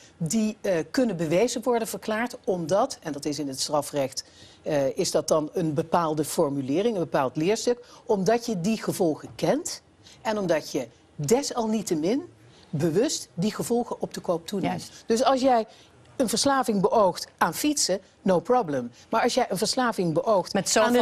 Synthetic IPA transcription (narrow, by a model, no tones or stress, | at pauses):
dikɵnənbəʋejzəʋɔɹdənvəɹklaːɹtɔmdɑtɛndɑtɪsɪnətstrɑfrɛχt | ɪzdɑt̚dɑnənbəpaːlˠdəfɔɹmylɪːrɪŋənbəpaːlˠtlɪːɹstɵkɔmdɑcjədiχəvɔlˠχəkɛnt | ɛnɔmdɑcjə | dɛsɑlˠnitəmɪn | bəʋɵstdiχəvɔlˠχəʔɔp̚dəkowp̚tunemd̥ɵs̬ɑlˠsjɛj | ənvəɹslaːvɪŋbəʔowχtʔaːnfitsə | nowpɹɔbləm | maːɹɑlˠsjɛjənvəɹslaːvɪŋbəʔowxtan